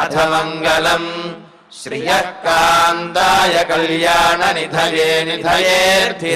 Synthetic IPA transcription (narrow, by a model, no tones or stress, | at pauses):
ɐt̪ʰɐmɐŋɡɐlɐm | ʃɾijɐkːaːnt̪aːjɐkɐljaːnɐnid̪ʱɐjeːnid̪ʱɐjeː